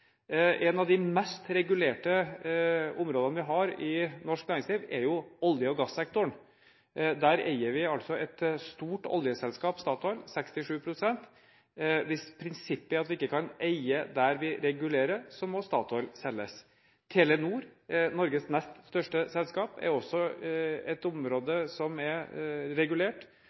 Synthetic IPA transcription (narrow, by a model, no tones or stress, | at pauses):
ʔɛnɑʋd̪ɪmɛst̪ɾɛɡʉleːʈə | ʊmɾoːd̪ənəʋɪɦɑɾɪnɔʂknæːɾɪŋsliːʋɛɾjʊɔljəɔɡɑsːɛk̚t̪ʊɳ | d̪æɾḛɪəɾʋɪɑlt̪sɔɛt̪st̪uːʈɔ̰ljəsɛlskɑːpst̪ɑːt̪ɔʏlsɛkst̪ɪʂʉːpʰɾʊsɛnt̪ | ʋɪspʰɾɪnsɪpːəæɾɑt̪ʋɪɪkːəkʰɑnæɪəd̪æɾʋɪɾɛɡʉleːɾəɾsɔmɔst̪ɑːt̪ʰɔʏlsɛlːəs | t̪ʰeːlɛnuːɾnɔɾɡəsnɛst̪st̪œʂʈəsɛlskɑːpɛ̰ɾɔsːɔɛt̪ʊmɾoːd̪əsɔmɛɾɾɛɡʉleːʈ